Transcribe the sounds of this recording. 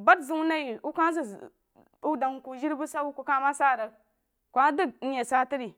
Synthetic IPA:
ba˦tzu˦wu˦na˦ji˨u˦ka˦zi˨ | u˦da˨ŋ˨ku˨ʒi˦ɾbu˦sa˦wu˦ku˦ka˦ma˦sa˦˨ɾa˨k | kʷa˦də˦ɡ̚n̩˦je˨sa˦ti˦ɾi˨

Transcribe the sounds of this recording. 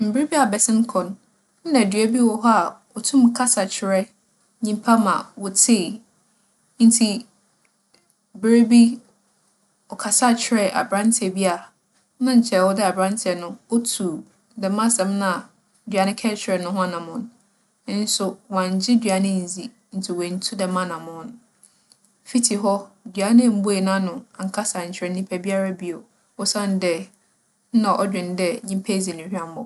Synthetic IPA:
m̩˨bɪ˦e˦bi˦a˨bɛ˨sɪ̃˦n˦kʰɔ̃˨n | n̩˦nã˨dɥæ˦bi˦wɔ˦˨ɦɔ˦a˨ | ɔ˨tʰũ˦m˨kʰa˦sa˨t͡ɕʰɪ˨ɾɛ˦ | ɲĩ˦mpʰa˦mã̰˨wɔ˨tʰeː˦˨ | n̩˦tʰi˦˨ | bɪ˦ɾe˦bi˦ | ɔ˨kʰa˨sa˦˨t͡ɕʰɪ˨ɾɛ˨ʔa̰˨bɾã˦ntʰɛ˨bi˦a˨ | nã˦ɲ̩˨t͡ɕʰɛ˨wɔ˦dɪ˦a˨bɾã˦n˦tʰɛ˨nʊ̃˦ɔ˦tʰu˨ | dɛ˨mã˦sɛ̃˨mnã˦˨ | dɥa˨nɪ̃˦kʰɛ˦t͡ɕʰɪ˨˦ɛ˨nʊ̃˦ɦʊ̃˦a˨nã˨mʊ̃˨n | ɪ˦n̩˦sʊ˦wã˨ɲ˨˦d͡ʑɪ˦dɥa˨nɪ̃˦n̩˨zi˨ | n̩˨tʰɪ˨wɛ̃˨n̩˨˦tʰu˦dɛ˨mã˦nã˨mʊ̃˨˦ñ˨ | fi˦tʰi˨ɦɔ˦dɥa˨˦nɪ̃˦˨m̩˦bʊ˦e˨nã˦nʊ̃˨a˨ŋ̩˨kʰa˦sa˨ɲ̩˨t͡ɕʰɪ˨ɾɛ˨˦nĩ˦pʰɛ˦bi˦a˦ɾa˦bi˦o˨ | ɔ˦sã˦n˦dɛ˦˨˦ | nã˨ʔɔ˦d͡ʑᶣɪ̃˨n˦dɛ˦ɲĩ˦pʰɛ˦˨zi˨nĩ˨hᶣã˦m˦ɔ̰˨

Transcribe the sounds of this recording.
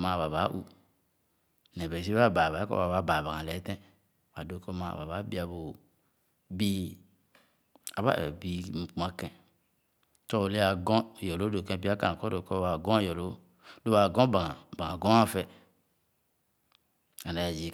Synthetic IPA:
ma˦˨βa˨βa˨˦ʔṵ˦ | nɛ˨bɛ˨s̬i˦a˦ba˨ba˨˦kɔ̰˦ba˨βa˦ba˨ba˨ã˨lɛ˨˦tɛ̃˦˨ | wa˨do˦ko˦ma˦a̰˨ba˨βa˨˦bi˦a˨bo˨ | bi˦ | a˨βa̰˦˨ɛ˨bi˦m̩˨k͡pa˦kɛ̃˨ | tɔ˦˨le˦a˨ɡɔ̃˦˨jɔ˨lo˨˦do˨kẽ˦˨bi˦a˦ka̰˨kɔ˦do˨kɔ˦wa˨ɡɔ̃˦˨jɔ˨lo˦ | do˦a˨ɡɔ̃˦ba˨a˨ba˨a˨ɡɔ̃˦a˦fɛ˦ | a˨na˨ja˨d͡ʒi˨

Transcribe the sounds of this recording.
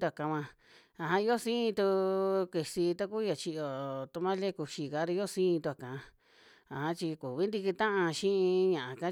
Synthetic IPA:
t̪u˧a˨kã˧mʷã˧ | a˧ɦã˧i˧˦o˦sĩː˦ĩ˧t̪u˧ki˧˨si˧t̪a˦ku˦ja˨t͡ʃi˧ʔo˨t̪u˧mã˦le˦ku˧ʃi˧ka˧˦ɾa˧˦o˦sĩː˦˧t̪u˧a˨kã˧ | a˨hã˦t͡ʃi˧ku˨βi˦nd̪i˧ki˧t̪ã˦ʔã˧ʃĩ˦ĩ˧ɲã˨ʔã˧ka˦

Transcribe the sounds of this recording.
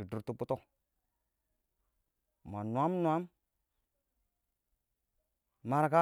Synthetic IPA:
i˨du˨ɾtu˦pu˦to˦ | m˨a˨nwa˦mnwa˦m | ma˨ɾka˦

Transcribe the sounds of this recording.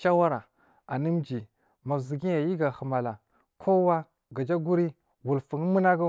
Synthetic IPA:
ʃa˦wa˦ɾa˨ | a˨nə˦md͡ʒi˨ | ma˨zi˨ɡi˦ja˨ji˦ɡa˨hə˨ma˨la˨ | kʰo˦wa˦ | ɡa˨d͡ʒa˦ɡu˦ɾi˦ | wu˨lfu˨ŋ˦mə˦na˦ɡa˦

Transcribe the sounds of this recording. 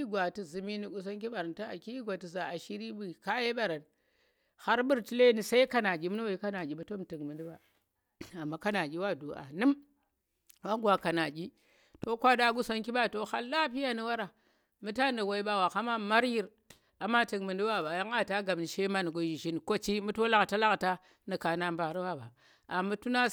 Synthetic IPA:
i˦ɡʷa˨ti˨zu˨mi˦ni˦ɡu˨s̬o˦ŋk̬i˦ɓa˨ɾa˨nto˦a˨ki˦ɡʷa˨ti˨za˨a˨ʃi˦ɾi˦bu˦˨ka˦je˦ɓa˦˨ɾa˨n | ha˦ɾbu˦ɾti˦le˦ni˨sa˦i˦ka˦na˨ɡʲi˦m˦n˦wa˨i˦ka˦na˨ɡʲi˨ba˨to˦m˨tɨ˨kmɨ˨ndi˦ba˨ | a˨mːa˨˦ka˦na˨ɡʲi˦wa˦˨du˨ʔa̰˨nɨ˦m | wa˦ŋɡwa˨ka˨na˨ɡʲi˦ | to˦kʷa˦da˦ɡu˦so˦nki˦ɓa˦˨to˦ha˦lːa˦pi˦ja˦ni˦wa˦ɾa˨ | mu˦ta˦ndi˨wa˨i˦ɓa˦˨wa˨ka˦ma˦ma˦ɾji˦ɾ | a˨mːa˦ti˨kmi˨ndi˦ba˦ba˨ja˦ŋa˦˨ta˦ɡa˨m˨ni˨ʃe˦ma˦n˨ɡo˨˦ji˨ʒi˦n˨ko˦t͡ʃi˦mu˦to˦la˦ɡta˦la˦kta˦ | ni˨ka˨na˦mba˨ɾi˦wa˦˨ba̰˨ | a˨mu˦tu˦na˦

